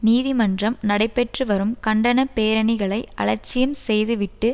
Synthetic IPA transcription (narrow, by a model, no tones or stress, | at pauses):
niːðɪmɐndrɐmnɐɽɐɪpːɛʈrɯʋɐɾɯmkɐɳɖɐnɐpeːɾɐɳɪɣɐɭɐɪɐ̰ɭɐɾt͡ʃːɪjɯmsɛjðɯʋɪʈːɯ